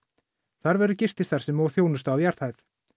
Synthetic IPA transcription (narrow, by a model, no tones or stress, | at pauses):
θaɾvɛɾʏcɪst̪ɪst̪ʰaɾ̥sɛmːowθjownʏst̪awjaɾ̥θhajθ